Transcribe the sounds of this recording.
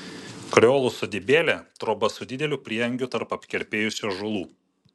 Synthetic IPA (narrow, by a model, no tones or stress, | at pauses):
kɾʲoːlˠʊsod̪ʲɪbʲeːlʲɛt̪ɾoːbɐsʊd̪ʲɪd̪ʲɛlʲʊpʲɾʲiɛɐŋʲɡʲʊt̪ɐɾpɐpʲkʲɛɾʲpʲeːjʊsʲoʒʊlˠuː